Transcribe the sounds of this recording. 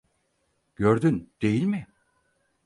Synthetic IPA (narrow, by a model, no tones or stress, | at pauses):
ɟ̥øɾd̪ynd̪̥e̞jilʲmɪ